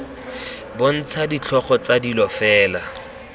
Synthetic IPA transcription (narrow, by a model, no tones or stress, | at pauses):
bʊn̩t͡sʰadit͡ɬʰɔχɔt͡sadilɔfɛːla